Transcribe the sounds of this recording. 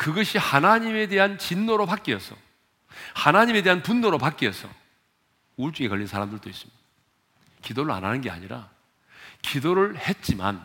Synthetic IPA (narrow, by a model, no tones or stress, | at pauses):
kɯɡʌɕʰihanaɲime̞de̞ɦant͡ɕinːoɾopak͈iʌsʰʌ̰ | hanaɲime̞de̞ɦanpunːoɾopak͈iʌsʰʌ̰ | uɭt͡ɕ͈uɡekʌɭːʎːinsʰaɾamdɯɭdois͈ɯ̥mɲid̥a | kidoɾɯɭa̰nɦanɯnɡe̞a̰ɲiɾa̰ | kidoɾɯɭhe̞t̚t͡ɕ͈ima̰n